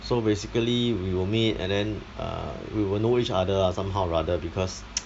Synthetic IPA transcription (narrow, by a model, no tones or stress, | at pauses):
sobesikəliwiwilmitɛ̰̃ndɛ̃nʔa̰wiwilnoit͡ʃadəsãmɦawɹadəbikʰɔs